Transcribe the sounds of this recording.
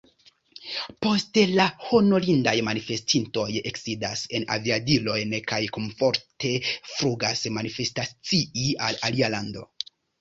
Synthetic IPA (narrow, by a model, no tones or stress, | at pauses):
po̞stlaho̞no̞lindajmanife̞stʰinto̞je̞ksidase̞na̰viadilo̞jnkajkoɱfo̞ɾtʰe̞fɾuɡasmanife̞stat͡siialalialando̞̰